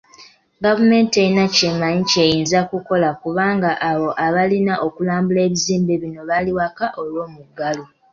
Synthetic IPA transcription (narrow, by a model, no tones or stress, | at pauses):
ɡavume̞ːntejinacemaɲice̞jiːnzakuko̞lakuβaːŋɡaʔːβo̞ʔaβalinaʔo̞kulaːmbule̞ːβiziːmbe̞βino̞βaliwakaʔo̞lwo̞ːmuɡːalo